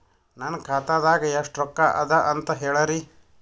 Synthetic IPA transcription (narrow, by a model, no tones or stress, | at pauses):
nankʰaːt̪ad̪aːɡɐeʂʈɾɔkːaʔɐ̰d̪ɐʔɐnt̪ɐɦɛːɭɐɾi